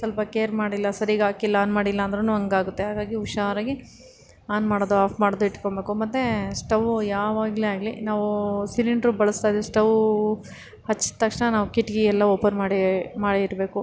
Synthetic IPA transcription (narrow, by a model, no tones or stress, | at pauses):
sɐlpɐkeːɐɾmaːɽilːɐsɐɾiɡaːkilːɐaːnmaːɽilːɐːnd̪ɾɐnuɐŋɡaːɡut̪ːeɦaːɡaːɡiuʃaːɾɐɡi | aːnmaːɽoːd̪uaːpʰmaːɽoːd̪uiʈkoɳbe̞ːkumɐt̪ːesʈɐʋujaːʋaːɡleaːɡlinaːʋusiliɳɖɾubɐɭɐst̪aːjd̪esʈɐʋ | hɐt͡ʃːi̥t̪ːɐkʂɳɐnaːʋukiʈːɡiɛlːɐoːpɐnmaːɽimaːɽiːɾbe̞ːku